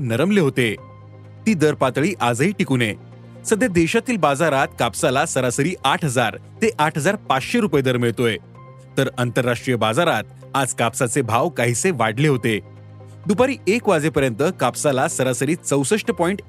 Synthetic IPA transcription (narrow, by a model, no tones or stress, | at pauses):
nəɾəmleɦot̪e | t̪iːd̪əɾpat̪ɭiːʔad͡zəɦiːʈikune | səd̪ʱjad̪eɕat̪iːlbad͡zaɾat̪kapsalasəɾasəɾiːʔaʈʰɦəd͡zaɾt̪eʔaʈʰɦəd͡zaɾpat͡sɕeɾupəjed̪ʱəɾmiɭt̪oe | t̪əɾənt̪əɾːaʂʈɾijəbad͡zaɾat̪̚ | ad͡zkapsat͡sebʱaʋkaɦit͡seʋaɽleɦot̪e | d̪upaɾiːekʋad͡zepəɾjənt̪əkapsalasəɾasəɾiːt͡səwsəʂʈəpɔiɳʈ